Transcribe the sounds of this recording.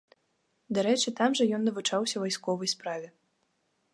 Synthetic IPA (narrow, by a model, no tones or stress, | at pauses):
d̪aɾɛt͡ʂɨt̪amʐɐjɔnːɐvut͡ʂawsʲɐvajskɔvɐjspɾavʲɛ